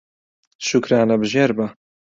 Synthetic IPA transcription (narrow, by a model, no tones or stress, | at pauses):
ʃukɾaːnɐbɨʒeːɾbɐ